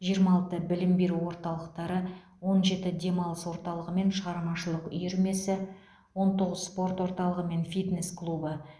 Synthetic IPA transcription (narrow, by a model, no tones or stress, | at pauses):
ʒijəɾmɑlˠt̪əbɪlɪmbe̞ɾuwo̞ɾt̪ɑlˠəq̚t̪ɑɾə | wo̞nʒe̞t̪ɪd̪e̞mɑlˠəswo̞ɾt̪ɑlˠəʁəme̞nʃəʁɑɾmɑʃəlˠəqʏ̰jeɾme̞sɪ | wo̞nt̪ʰo̞ʁəzspo̞rt̪wo̞ɾt̪ɑlˠəʁəme̞nfit̪ne̞sklˠubə